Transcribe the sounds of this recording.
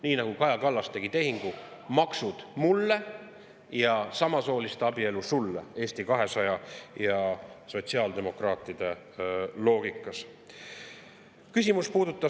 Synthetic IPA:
niːnɑɡ̥ukɑjɑkɑlːɑst̪e̞ɡ̥it̪e̞ɦiŋɡ̥u | mɑksud̪̥mulːe̞ | jɑsɑmɑso̞ːlist̪ɑbie̞lusulːḛe̞ːst̪ikɑɦe̞sɑjɑjɑso̞t̪ʲsiɑːld̪e̞mo̞krɑːt̪ːˑid̪̥e̞ | lo̞ːɡ̥ikːˑɑs | kysʲimuspuːd̪ut̪ˑːɑ

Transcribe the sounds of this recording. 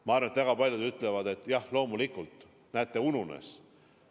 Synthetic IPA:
mɑɑɾvɑnet̪væɡ̥ɑpɑlʲjud̪yt̪ːˑle̞vɑd̪̥e̞t̪ːˑjɑhlo̞ːmulikːˑult̪ˑ | næːt̪ːe̞ununḛs

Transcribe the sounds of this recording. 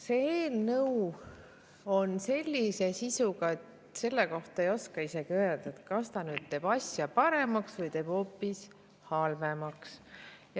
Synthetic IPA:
se̞eːlnɤw | o̞nse̞lʲːise̞sisuɡ̥ɑe̞t̪ | se̞lːeko̞ht̪ɑejo̞skɑise̞ɡ̥iø̞ːeld̪̥ɑet̪kɑst̪ɑnyːd̪̥̚t̪e̞ːb̥ɑsʲjɑpɑɾe̞mɑksvɯjt̪e̞ːb̥o̞ːpːis | hɑlve̞mɑksj

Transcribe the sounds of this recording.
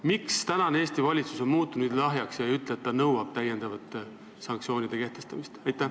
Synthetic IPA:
mikst̪ænɑnee̞ːst̪ivɑlʲit̪su̥so̞nmuːt̪ːˑunud̪lɑɦjɑksjɑyt̪leet̪ːɑnɤwɑb̥t̪æjend̪̥ɑvɑt̪ːˑe | sɑŋk̚tsio̞ːnʲid̪̥e̞ke̞ht̪e̞st̪ɑmist̪ɑjt̪ːˑæ

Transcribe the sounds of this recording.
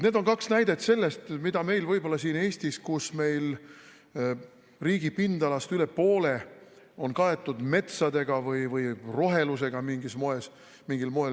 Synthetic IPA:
ne̞ːd̪o̞nkɑksnæjd̪̥e̞t̪se̞lːe̞st̪mid̪ɑme̞jlvɯjbo̞lːɑsiːne̞ːst̪iskusme̞jl | riːɡ̥ipind̪̥ɑlɑst̪yle̞po̞ːle̞ | o̞nkɑe̞t̪ːˑud̪̥me̞t̪sɑd̪e̞ɡ̥ɑvɯjvɯjro̞ɦe̞luse̞ɡ̥ɑmiŋɡismo̞e̞s | miŋɡilmo̞el

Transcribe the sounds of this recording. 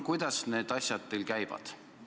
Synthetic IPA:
kujd̪̥ɑsne̞ːd̪̥ɑsʲjɑt̪ːelkæjv̥ɑ̰d̪̥

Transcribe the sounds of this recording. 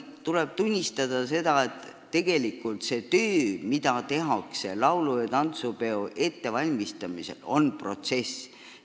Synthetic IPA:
t̪uleb̥̚t̪unʲːist̪ɑd̪̥ɑse̞d̪̥ɑe̞t̪ː | e̞ɡ̥e̞likːˑult̪se̞t̪øːmid̪̥ɑt̪e̞ɦɑkse̞lɑwlujɑt̪ɑnt̪supe̞oʔe̞t̪ːe̞vɑlʲmist̪ɑmise̞̰lo̞̰npro̞t̪se̞s

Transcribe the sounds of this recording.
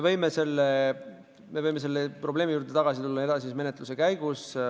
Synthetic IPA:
evɤjmese̞lːe | me̞vɤjme̞s̬e̞lːepro̞ble̞ːmijuːɾrd̪̥et̪ɑɡ̥ɑsit̪ulːɑed̪ɑs̬isme̞ne̞t̪luse̞kæjɡ̥us

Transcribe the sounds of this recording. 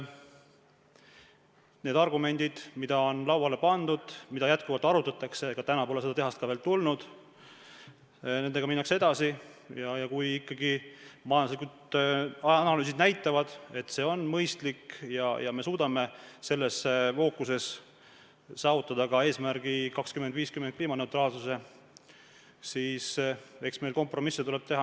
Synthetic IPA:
ne̞ːd̪ɑrɡume̞nʲd̪̥id̪̥mid̪ɑo̞nlɑwɑle̞pɑnd̪̥ud̪̥mid̪̥ɑjæt̪̚kuvɑlt̪ːˑɑɾut̪ːˑɑt̪ːˑɑkse̞ɡ̥ɑt̪ænɑpo̞lese̞d̪ɑt̪e̞ɦɑst̪kɑve̞ːlt̪ulnud̪̥ | ne̞nd̪eɡɑminːɑksee̞d̪̥ɑsijɑjɑkujikːɑɡimɑjɑluslikud̪ | nɑlyːs̬id̪̥næjt̪ːˑɑvɑd̪̥e̞t̪ːse̞o̞nːmɤjst̪likjɑjɑme̞suːd̪̥ɑme̞se̞lːe̞sefo̞ːkːˑuse̞s | sɑːvut̪ːˑɑd̪̥ɑkɑeːsmæɾɡ̥ikɑkskymend̪̥viːskymen̥kliːmɑne̞wt̪ɾɑːlsuse̞ | siːse̞ksme̞jlko̞mpro̞misːet̪ule̞b̥t̪e̞ɦɑ

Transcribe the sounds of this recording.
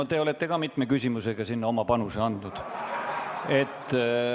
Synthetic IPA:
ot̪e̞ole̞t̪ːe̞kɑmit̪ˑmekysʲimuse̞ɡɑsinːɑomɑpɑnuseɑnd̪̥nud̪̥ | e̞t̪ːˑ

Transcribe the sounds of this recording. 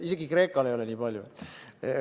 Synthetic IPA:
ise̞ɡikre̞ːkːˑɑlejo̞lenʲiːpɑlʲjuet̪ːˑ

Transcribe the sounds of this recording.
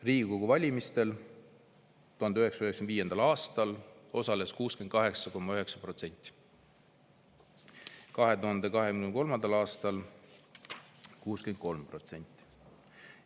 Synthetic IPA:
riːɡiɡuɡuvɑlʲimist̪e̞l | t̪uhɑnd̪eøɦe̞ksɑøheksend̪viːje̞nd̪̥ɑlɑːst̪ɑlo̞sɑle̞skuːskend̪̥kɑɦe̞ksɑko̞mːɑøɦe̞ksɑpro̞t̪se̞nʲt̪ʲːˑi̥ | kɑɦe̞t̪uɦɑnd̪e̞kɑɦemnko̞lmɑnd̪̥ɑlɑːst̪ɑl | kuːsken̚ko̞lmpro̞t̪se̞nʲt̪ːˑi̥

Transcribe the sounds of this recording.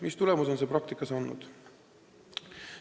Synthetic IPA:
mist̪ulemuso̞nse̞pɾɑk̚t̪ikːˑɑsɑnːṵd̪̥

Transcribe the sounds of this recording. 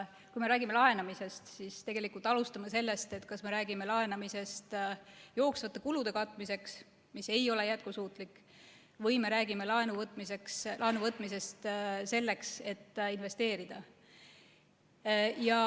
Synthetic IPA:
kujme̞ɾæːɡime̞lɑɦe̞nɑmise̞st̪sist̪e̞ɡe̞likult̪ˑɑlust̪ɑmɑse̞lːe̞st̪e̞t̪ːkɑsme̞ɾæːɡime̞lɑe̞nɑmise̞st̪jo̞ːksvɑt̪ːˑɑkulud̪̥e̞kɑt̪ːˑmise̞ks | mise̞jo̞le̞jæt̪̚kusuːt̪ˑlikːˑ | vɤjme̞ɾæːɡimelɑe̞nuvɤt̪ːˑmise̞kslɑe̞nuvɤt̪ːˑmise̞st̪se̞lːe̞kse̞t̪ːinve̞st̪e̞ːɾid̪̥ɑ | jɑ

